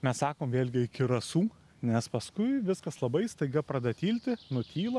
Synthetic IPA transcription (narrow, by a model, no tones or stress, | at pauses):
mʲɛssɑːkoːmʋʲeːlʲɡʲɪɪkʲɪɾɐsuː | nʲɛspɐskʊɪʋʲɪskɐslˠɐbɐɪst̪ɐɪɡɐpɾɐd̪ɐt̪ʲiːlʲt̪ʲɪnʊt̪ʲʰiːlˠɐ